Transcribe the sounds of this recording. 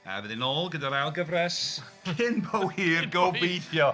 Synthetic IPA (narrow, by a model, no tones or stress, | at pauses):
a̰vɛðɪnɔːlˠɡədaɾalˠɡəvrɛs | kʰɪnbʰɔwiːrɡowbejθjɔ